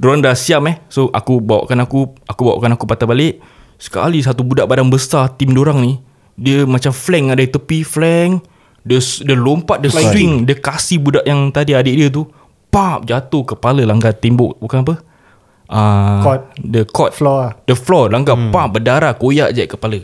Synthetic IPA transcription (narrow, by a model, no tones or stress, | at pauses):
doɾaŋdasiamɛhsoʔa̰kubawa̰ʔkanakuakubawa̰ʔkanakupat̪abaleʔ | sə̥ka̰lis̬at̪ubudaʔbadaŋbəsat̪imdoɾaŋni | diəmat͡ʃamflɛŋːadait̪əpiflɛŋ | dəsdəlompat̪̚dəwiŋdəkasihbudaʔjaŋt̪adiadiʔdiət̪̬u | pap̚d͡ʒat̪ohkəpaləlaŋɡat̪emboʔbukanap̬ə | ʔət̪dəkɔt̪̚dəflɔlaŋɡapap̚bədaɾakojaʔd͡ʒaʔkəpalə